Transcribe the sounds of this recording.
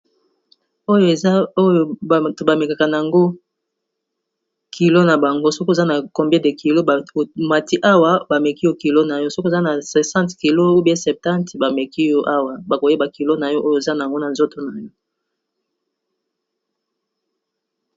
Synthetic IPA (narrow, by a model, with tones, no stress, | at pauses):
o˦jo˨e˨za˦o˦jo˨tba˨me˨ka˨ka˨na˨a˨ŋɡo˦ | kʰi˨lo˦na˨ba˨ŋɡo˦so˦ko˦˨za˦na˨ko˨mbe˦de˨ki˨lo˦˨ma˨ti˦ʔa˦wa˦ba˨mɛ˨ki˦jo˦ki˨lo˦na˨jɔ˦so˦ko˦˨za˦na˨sɛ˨sã˦ntki˨lo˦o˦be˦sɛ˨p̚tã˦ntba˨me˨ki˦jɔ˦ʔa˦wa˨ba˨ko˨je˦ba˨ki˨lo˦na˨jɔ˦ʔo˦jo˨za˦na˨a˨ŋɡo˦na˨nzo˦to˨na˨jo˦